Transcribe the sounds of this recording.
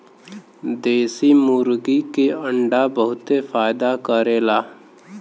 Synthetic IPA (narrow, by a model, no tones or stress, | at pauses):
d̪eːsimuɾɡikeə̃ɳɖabəɦʊt̪efaːjd̪akəɾeːlaː